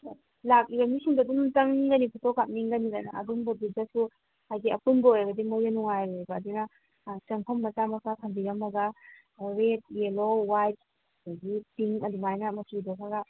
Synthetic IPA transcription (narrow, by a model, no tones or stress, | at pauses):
lak̚iɡɐmisiŋdɐdumtɐŋɡɐnipʰutokːap̚niŋɡɐnilana̰ɐ̰dumbɐdud͡ʒasu | hajɡiɐpunbɐojbɐdimojɐnuŋajobɐːdunɐ | t͡ʃɐmpʰɔmːɐt͡ʃamɐsakʰɐmbiɾɐmɐɡɐ | ɾet̚elowajt̚ | daɡitiŋɐdumajnɐmɐtʰidokʰaɡɐ